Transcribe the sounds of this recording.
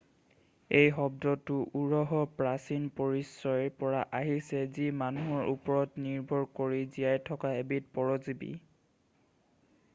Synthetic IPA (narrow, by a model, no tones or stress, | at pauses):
ejɦɔbdɔtʊʔuɹɔɦɔpɹasinpoɹisɹɔjɹpɔɹaʔaɦisɛzimanuɦɔɹʔupɔɹɔtniɹbʱɔɹkoɹizijajtʰɔkaebit̚pɔɹɔzibḭ